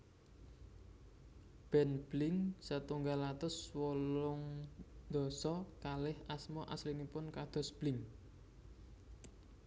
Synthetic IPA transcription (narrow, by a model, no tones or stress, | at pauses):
b̥ɛ̤nb̥lɪŋsət̪uŋɡalat̪ʊswɔlʊŋd̪̥ɔ̤sɔkalɪhasmɔʔaslinipʊnkad̪̥ɔ̤sb̥lɪŋ